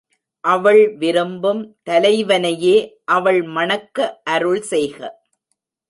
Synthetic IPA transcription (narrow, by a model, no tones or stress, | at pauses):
ʔɐʋɐɭʋɪɾɯmbɯmt̪ɐlɐɪʋɐnɐjeːʔɐʋɐɭmɐɳɐkːɐʔːɾɯɭsɛjɣɐ̰